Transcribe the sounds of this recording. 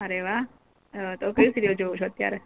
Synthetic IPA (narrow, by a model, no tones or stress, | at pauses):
əɾeʋaɦ | t̪okəjũsiɾiod͡ʒoʋot͡ʃʰoət̪ja̰ɾe